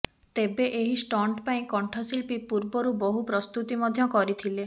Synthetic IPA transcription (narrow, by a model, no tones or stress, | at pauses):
t̪ebeʔeɦisʈɔɳʈpaĩkɔɳʈʰɔsilpipuɾbɔɾubɔɦupɾɔst̪ut̪imɔd̪ʱjɔkɔɾit̪ʰile